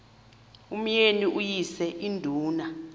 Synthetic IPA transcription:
um̩jeniʔujisɛʔindʱuːna

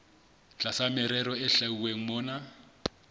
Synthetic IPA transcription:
t͡ɬʼasamɛɾɛɾɔɛɬauweŋ̩mɔːna

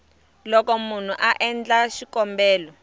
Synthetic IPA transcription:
lɔkɔmun̤uʔaʔɛnd͡ɮaʃikɔmbɛːlɔ

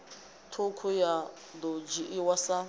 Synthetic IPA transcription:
tʰʊkʰʊja | d̪od͡ʒiʔɪwasa

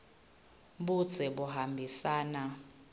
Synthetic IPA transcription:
ɓu̥t͡sʰɛɓuɦambʱisaːna

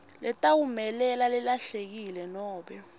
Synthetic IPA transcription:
lɛtʼawumɛlɛlalɛlaɬek̬ilɛnɔːɓɛ

